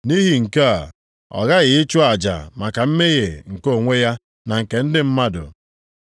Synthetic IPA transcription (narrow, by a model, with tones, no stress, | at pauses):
ni˦ɦi˨ŋ̩˨ke˦a˨ | ɔ̰˨ɣa˦ɣɪ˨ɪ˦t͡ʃʊ˦a˨d͡ʒa̰˨ma˨ka˨m̩˦me˦ɣe˨ŋ̩˨ko˦˨ŋʷe˦ja˦ | na˨ŋ̩˨ke˨n̩˦dɪ˦m̩˦ma˦dʊ̰˨